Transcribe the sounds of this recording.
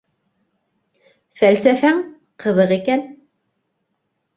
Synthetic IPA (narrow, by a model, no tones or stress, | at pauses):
fælsæfæŋ | qʰɤ̆ðɤqikæn